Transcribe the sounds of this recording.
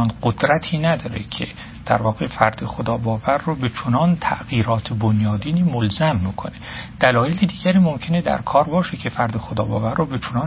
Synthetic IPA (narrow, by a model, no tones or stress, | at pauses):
nɢod̪ɾæt̪ʰiːnæd̪ɒːɾecʰḛ | d̪̥æ̰ɾvɒːɣefæɾd̪̥exod̪ɒːbɒːvæɾːobet͡ʃʰonɒːnt̪ʰæ̰ʔɣiːɾɒːt̪ʰebonjɒːd̪iːniːmolzæmːiːkʰo̰ne̞d̪̥ælɒːjelid̪iːɟæɾiːmo̞mcʰe̞ne̞d̪æ̰ɾkʰɒːɾbɒːʃecʰe̞fæɾd̪exod̪ɒ̰ːbɒ̰ːvæɾːobe̞t͡ʃʰonɒːn